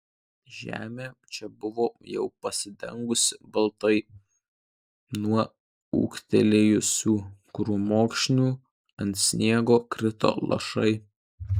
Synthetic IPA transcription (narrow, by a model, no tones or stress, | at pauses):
ʒʲæ̰ːmʲeːt͡ʃʲɛbʊʋoːjɛ̰ʊpɐsʲɪd̪ʲɛ̰ŋɡʊsʲɪbɐlˠt̪ɐɪ | nuɔ | ṵːkt̪ʲɛlʲeːjʊsʲuːkɾuːmoːkʃʲnʲuː | ɐnt̪sʲnʲiɛɡoːkɾʲɪt̪o̰ːlˠʔɐ̰ʃɐ̰ɪ